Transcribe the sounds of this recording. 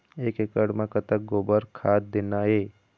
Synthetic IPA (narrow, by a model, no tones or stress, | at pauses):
eːkekəɽmãkət̪ək̚ɡoːbəɾkʰaːt̪̚d̪ɪnaɦeː